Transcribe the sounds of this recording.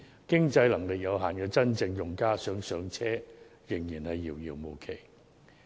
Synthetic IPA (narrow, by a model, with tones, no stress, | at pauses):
kɪ˥ŋt͡sɐ˧jlɐ˨˩ŋlɪ˨k̚jɐ˨˧wɦaː˨˩nkɛː˧t͡sɐ˥nt͡sɪ˧ŋjʊ˨ŋkaː˥sœː˨˥ŋsœː˨˧ŋt͡sʰɛː˥jɪ˨˩ŋjiː˨˩nhɐ˨jːiː˨˩wjiː˨˩wmo˨˩wkʰe˨˩j